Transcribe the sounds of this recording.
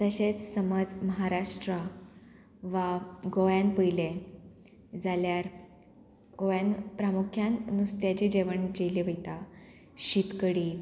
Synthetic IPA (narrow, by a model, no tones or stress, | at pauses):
t̪əɕet͡ssəməd͡zməɦaɾaʂʈɾa | ʋaɡoʋjãnpəjle | d͡zaljaɾ | ɡ̥ojanpɾamukʰjannust̪jat͡ɕed͡ʑeʋəɳd͡ʑeleʋəjt̪a | ɕit̪kəɽi